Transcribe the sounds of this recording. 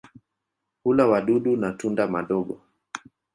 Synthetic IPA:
kulawaɗuɗunatundamaɗɔɡɔ

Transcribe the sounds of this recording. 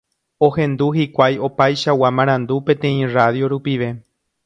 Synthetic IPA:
o̞hẽ̞nd̪uhikʷajo̞pajʃawamãɾ̃ãnd̪upẽt̪ẽ̞ĩraðjo̞ɾupiʋe̞

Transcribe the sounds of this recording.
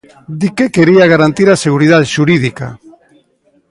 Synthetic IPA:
d̪ikekeɾiaɣaɾant̪iɾaseɣuɾið̞aðʃuɾiðika̰

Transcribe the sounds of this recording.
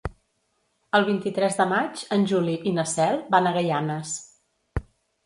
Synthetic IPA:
əlˠβ̞int̪it̪ɾɛzðəmad͡ʒənʲʒuliʔinəsɛlˠbanəɣəjanəs

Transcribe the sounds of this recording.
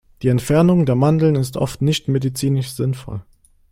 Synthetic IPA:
d̥iːɛntfɛɐnʊŋdeːɐmandl̩nɪstʰʔɔ̰ftnɪçtmedit͡siːnɪʃz̥ɪnfɔ̰l

